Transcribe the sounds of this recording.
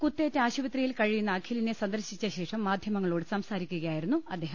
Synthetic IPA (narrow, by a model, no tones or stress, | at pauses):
kut̪ːeːtːeaːɕuʋɐt̪rijilkɐɻijunːaːkʰilinesɐnd̪ɐɾɕit͡ɕːɐɕe̞ːʂɐmːaːd̪ʱjɐmɐŋːɐɭo̞ːɽɨsɐmsaːɾikʲːuɣɐjaːjiɾunːuɐd̪ːeːɦɐm